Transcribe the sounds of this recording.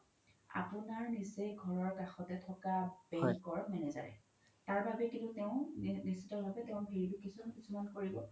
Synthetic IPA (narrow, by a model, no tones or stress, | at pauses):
a̰pʊnaɹniseɡʱɔɹɔɹkaxɔtɛtʰɔkabɛŋkɔɹmɛnɛza̰ɹɛ̰ | taɹbabɛkiʊtɛʊ̃nisitɔɹbʱabɛtɛʊ̃bʱiɹibʊkisumankisumankoɹibɔ